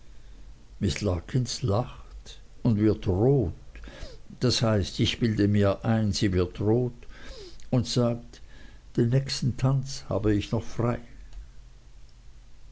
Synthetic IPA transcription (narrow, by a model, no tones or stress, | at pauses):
mɪslaːkʰɪnslaχt | ʊndvɪɐtʁoːt | d̥ashaɪstɪçb̥ɪldəmiːɐʔaɪnz̥iːvɪɐtʁoːt | ʊntz̥aːk̚t | d̥eːnːɛːkstn̩tʰant͡sha̰ːbəɪçnɔχfʁ̥aɪ